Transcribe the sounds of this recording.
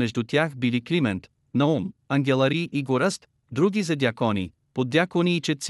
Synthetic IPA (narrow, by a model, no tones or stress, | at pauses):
ɛʒd̪ut̪ʲjaxbiliklimɛnt̪ | nɐɔnɐŋɡʲɛlˠɐɾiʔiɡoɾɛst̪ | d̪ɾuɡʲizɐd̪ʲjakɔnḭ | pod̪ːjakoniːt͡ʃɛt̪s